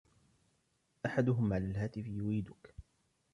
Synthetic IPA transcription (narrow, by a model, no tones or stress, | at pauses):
ʔaħad̪ʊɦʊmʕalalɦaːt̪ɪfɪjʊɾiːd̪ʊk